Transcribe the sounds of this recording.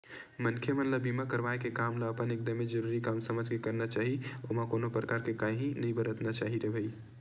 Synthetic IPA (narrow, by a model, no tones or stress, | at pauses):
mənkʰjəmənləbimakəɾʋajkekamləəpənek̚d̪əmːed͡ʒəɾuɾikamsəməd͡ʒʱkekəɾnat͡ʃaɦiomakonopɾəkaɾkekãɦĩnəbəɾət̪nat͡ʃaɦiɾebʱəj